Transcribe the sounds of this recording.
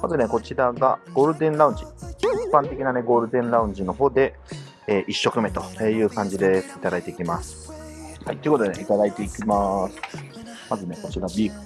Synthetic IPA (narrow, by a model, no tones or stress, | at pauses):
mazɨneko̞t͡ɕiɾaɡa̰ɡ̥o̞ːɾɯ̟d̪ẽ̞nɾaɯ̟ɲ̟d͡ʑiippːãnt̪e̞kʲinane̞ɡo̞ːɾɯ̟d̪ẽ̞ɰ̃ɾaɯ̟̃ɲ̟d͡ʑino̞ɦo̞ːd̪e̞ | eːʔiɕːo̞kɯ̟me̞t̪o̞eːjɯ̟ːkãɲ̟d͡ʑid̪e̞it̪ad̪ait̪e̞ikʲimasɨ̥ | haijt̪ːoiɯkot̪od̪eit̪ad̪ait̪eikʲimasɨ̥ | mazɨne̞ko̞t͡ɕiɾabʲiːkɯ̥